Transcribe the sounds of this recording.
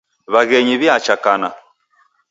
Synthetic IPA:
βaɣɛɲiβjat͡ʃakana̰

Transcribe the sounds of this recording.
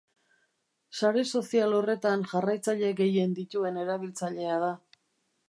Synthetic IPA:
saɾe̞so̞sialo̞re̞t̪anʝarajt͡saʎeɡe̞je̞nd̪it̪ue̞ne̞ɾaβ̞ilt͡saʎe̞að̞a

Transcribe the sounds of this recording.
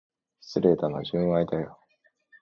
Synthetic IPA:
sɨɾet̪ana̰d͡ʑɨ̃ɰ̃ait̪ajo

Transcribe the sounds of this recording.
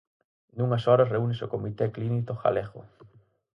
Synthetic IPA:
d̪uŋɐsɔɾɐsreunɪsokomit̪eklinit̪oxa̰leɣo̰

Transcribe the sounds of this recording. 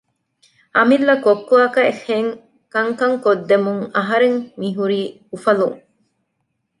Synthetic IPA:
ʔɐmilːɐkokːuaːkɐexeŋ | kɐŋkɐŋkod̪ːemuŋɐɦɐɾeŋmiɦuɾiː | ufɐlṵŋ

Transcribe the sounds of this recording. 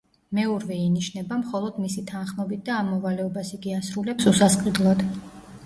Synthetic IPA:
mɛɔɾvɛiniʃnɛbamχɔlˠɔd̪misit̪ʰanχmɛbit̪̚d̪aːmːɔvalɛɔbasiɡiasɾulɛpsusasqʼid̪lˠad̪̥

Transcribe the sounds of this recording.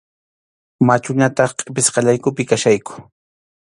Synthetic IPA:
mat͡ʃʊɲat̪ɑχqʼɪpɪsqɑʎajkʊpɪkaʃajkʊ̥

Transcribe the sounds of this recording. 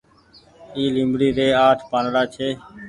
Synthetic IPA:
iːlĩːmbɽiːɾeːaːʈʰpaːnɽaːt͡ʃʰeː

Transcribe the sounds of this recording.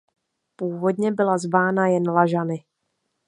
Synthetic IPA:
puːvo̞dɲɛbɪlazvaːnajɛnlaʒanɪ

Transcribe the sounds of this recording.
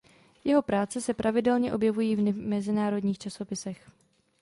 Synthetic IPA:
jɛɦo̞pɾaːt͡sɛsɛpɾʔavɪdɛlɲɛʔo̞bjɛvujiːvnmɛzɪnaːɾo̞dɲiːxt͡ʃaso̞pɪsɛx

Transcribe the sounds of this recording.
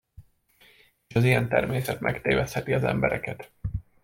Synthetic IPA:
eʃɒzijɛnt̪ɛrmeːsɛt̪mʔɛ̰kt̪eːvɛshɛt̪iɒzɛ̰mbɛɾɛkɛt̪

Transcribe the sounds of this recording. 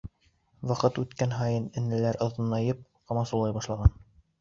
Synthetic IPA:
wɑqɤt̪ʉt̪kænɦɑjɤnɘ̆nɘ̆læɾŏðɤ̆nɑjɤp̚ | qɑmɑsulˠɑjbɑʃlˠɑʁɑn

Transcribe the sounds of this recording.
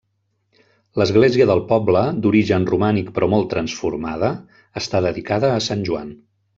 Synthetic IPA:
ləzɣleziəðəlˠpɔbləd̪uɾiʒənrumanikpɾɔmɔlˠt̪ɾənsfuɾmaðəː | st̪aðəðikaðəːsanʲʒua̰n

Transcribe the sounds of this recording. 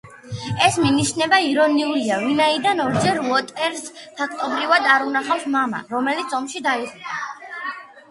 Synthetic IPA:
ɛsminiʃnɛbaiɾɔniuɾiavinaid̪anɔɾd͡ʒɛɾlɔt̪ʼɛɾspʰakʰt̪ʼɔbɾivad̪aɾunaχafsmama̰ɾɔmɛlit̪sʰɔmʃid̪aiʁupʰa

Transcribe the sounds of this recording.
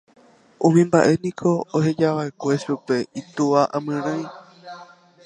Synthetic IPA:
ũmĩmbaʔe̞nĩkʰo̞oɦe̞d͡ʒaʋae̞kʷe̞ʃupe̞it̪uʋaʔãmɨ̃ɾ̃ãj̃

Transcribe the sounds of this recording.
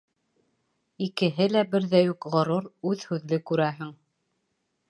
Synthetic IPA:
ikɘ̆ɦɘlæbɘɾðæjukʁɤ̆ɾuɾʉðhʉðlɘkʉɾæɦɘŋ

